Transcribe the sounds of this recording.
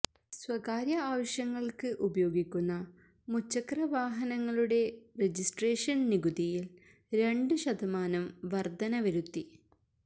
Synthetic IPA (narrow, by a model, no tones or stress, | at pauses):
swɐkaːɾjɐaːʋɐɕjɐŋːɐɭkɨʔubɐjo̞ːɡikʲːunːɐ | mut͡ɕːɐkrɐʋaːɦɐnɐŋːɐɭuɽe̞red͡ʑisʈreːʂɐnniɡud̪ijil | ɾe̞ɳɖɨɕɐd̪ʱɐmaːnɐmʋɐrd̪ɐnɐʋɐɾut̪ːi